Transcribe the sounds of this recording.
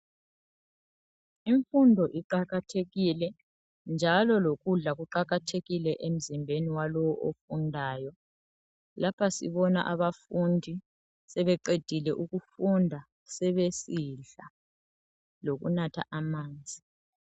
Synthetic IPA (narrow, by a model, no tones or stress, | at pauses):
iɱfundʱɔʔiǃaɣatʰeɣilɛ | nd͡ʒʱalɔloɣuɮaɣuǃaɣatʰeɣilɛʔem̩zimbʱeniwalɔwɔʔofundʱaːjɔ | lapʰasḭβɔna̰ʔaβafundʱi | sɛβɛǃed̥ʱilɛʔuɣufundʱa | sɛβesiɮa | loɣṵnatʰa̰ʔamaːnd͡zʱi